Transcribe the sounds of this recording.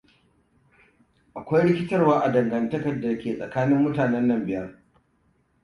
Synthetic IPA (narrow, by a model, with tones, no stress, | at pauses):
ʔa˨kʷa˦jɽɪ˦kʲɪ˦tɐ˦rwaː˦ʔa˨dɐ˨ŋɡɐ˨ntɐ˦kɐ˨rda˨˦kʲeː˨sʼɐ̰˨kaː˦nɪ˦mːʊ˦taː˨nɛ˦nːɐ˦mbɪ˨jɐ˦r